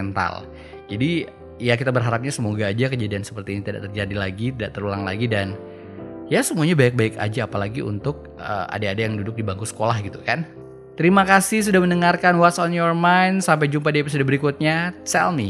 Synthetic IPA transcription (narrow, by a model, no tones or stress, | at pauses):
ɛnt̪a̰l | d͡ʒadi | jakit̪abərɦaɾap̚ɲasəmoɡaːd͡ʒakəd͡ʒadiansə̥pərt̪init̪ida̰ʔt̪ərd͡ʒadilaɡit̪idaʔt̪əɾulaŋla̰ɡidan | jasəmuaɲabak̚baɪka̰d͡ʒaːpalaɡiʔṵnt̪ʊk̚ə̰a̰daːdajaŋdudʊk̚dibaŋkusə̥kolahɡit̪ukan | t̪əɾimakasɪhs̬udahmənəŋarkanwat̪sɔnjɔrmajnsamp̬ajd͡ʒumpadiapasudabəɾikut̪̚ɲat͡ʃɛ̰lmi